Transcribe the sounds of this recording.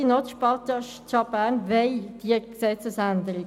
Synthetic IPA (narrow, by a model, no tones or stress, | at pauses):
inɔt̪ʃpɑt̪ɑʃ | ɑbænʋeɪd̥iəksɛt͡səsænd̪əɾi